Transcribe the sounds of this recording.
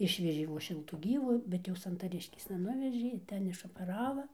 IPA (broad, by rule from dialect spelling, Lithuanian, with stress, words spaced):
ˈɪʃʲʋʲɛʒʲeː ʋoːs ˈʃʲɪlˠtuː ˈɡʲiːʋʊ ˈbʲɛt jɛʊ sɐntɐˈrʲɪʃʲkʲeːsnɐ ˈnʊʋʲɛʒʲeː ɪˈtʲɛn ɪʃoːpʲɛˈrɑːʋɐ